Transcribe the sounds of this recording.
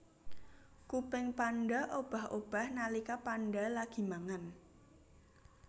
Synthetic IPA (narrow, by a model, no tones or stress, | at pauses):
kupɪŋpanɖaʔob̥a̤hʔob̥a̤hnalikapanɖalaɡ̥i̤maŋan